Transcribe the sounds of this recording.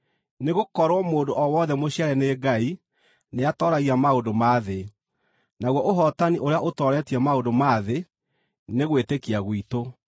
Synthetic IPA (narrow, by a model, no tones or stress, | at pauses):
neɣokɔɾwɔmoːdoʔɔwɔðɛmoɕiaɾɛneɡai | neatɔːɾaɣiamaodomaːðe | naɣwɔʔoɦɔtaniʔoɾeaʔotɔɾɛːtiɛmaodomaːðe | neɣwetekiaɣwito